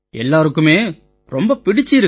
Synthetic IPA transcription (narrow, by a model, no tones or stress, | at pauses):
ɛlːaːɾɯkːɯmeː | ɾɔmbɐpɪɽɪt͡ʃːɪɪɾɯ